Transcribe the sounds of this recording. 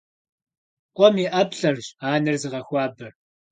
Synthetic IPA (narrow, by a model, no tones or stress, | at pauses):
qʷʼɔmiːʔɐpɬɐrʑaːnɨrzɨʁɐxʷɑːbɐr